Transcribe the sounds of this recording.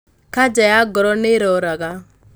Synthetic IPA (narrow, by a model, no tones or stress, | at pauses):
kad͡ʒajaɡɔɾɔneɾɔɾaɣa